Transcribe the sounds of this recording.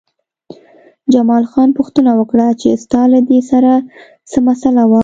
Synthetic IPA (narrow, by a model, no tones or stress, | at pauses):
d͡ʒamɑlxɑnpʊxt̪ənawəkɽat͡ʃest̪ɑlad̪esaɾa | səmasalawa